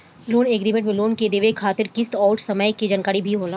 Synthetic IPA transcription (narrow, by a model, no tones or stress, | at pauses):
loːneːɡɾiːmẽɳʈmẽloːnked̪eːʋekʰːaːt̪ɪɾkɪst̪ɔːʊʈsɐməjked͡ʒaːnkaːɾibʱiɦoːlaː